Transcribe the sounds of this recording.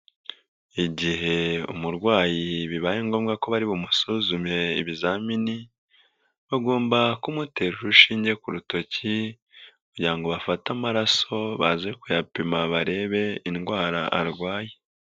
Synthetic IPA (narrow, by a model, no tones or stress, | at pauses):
iɟiɦe̞ṵmuɾɡwaːjiβiβajeːŋɡo̞ːmɡako̞βaɾiβomusuzumje̞ḭβizamini | βaɡo̞ːmbakumuteɾuɾuʃiːɲɟe̞kuɾuto̞ci | kuɟiɾaŋɡo̞βafatamaɾaso̞βazekujapimaβaɾe̞ːβe̞inɡwaːɾaʔaɾɡwaːje